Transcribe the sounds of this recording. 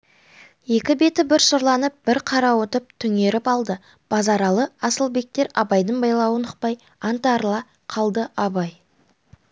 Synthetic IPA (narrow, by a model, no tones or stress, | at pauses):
je̞kʲɪbe̞t̪ɪbɪɾʃoɾlˠɑnəp̚b̥ɪɾqʰɑɾɑwot̪əp̚t̪ʰʏŋe̞ɾɪpɑlˠd̪ə | b̥ɑzɑɾɑlˠəɑsəlˠbe̞k̚t̪e̞ɾɑbɑjd̪əɴbɑjlˠɑwənəq̚pɑj | ɑnt̪ɑɾlˠɑ | qʰɑlˠd̪əʔɑbɑj